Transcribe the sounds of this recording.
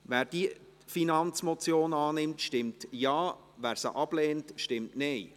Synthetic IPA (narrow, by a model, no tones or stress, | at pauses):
ʋæːɾd̥i | finɑnt͡smɔt͡sjoːnɑːnɪmtʃtɪmtjɑː | væːɾsə̰ʔɑb̥leːntʃtɪmtneɪ